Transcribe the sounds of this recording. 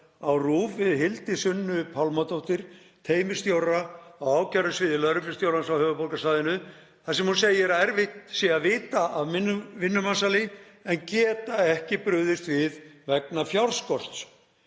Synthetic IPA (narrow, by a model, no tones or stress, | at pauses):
awruːvɪðɦɪlt̪ɪsʏnːʏpʰawlmat̪owht̪ɪɾ̥ | t̪ʰeːjmɪ̥st̪jowraawaːwcaɾʏsvɪːðɪlœɾʏflɪ̥st̪jowransawhœːvʏpolkasaːðɪnʏ | θasɛmhunseːjɪɾaɛɾvɪht̪siːavɪːt̪aʔavmɪnvɪnːʏmansalɪ | ɛncɛːt̪aɛhcɪpɾʏðɪst̪vɪðvɛknafjawɾskɔr̥t̪s